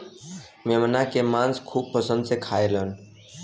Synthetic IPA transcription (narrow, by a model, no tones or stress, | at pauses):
memnakemãnskʰub̚pəsə̃nd̪sekʰaelən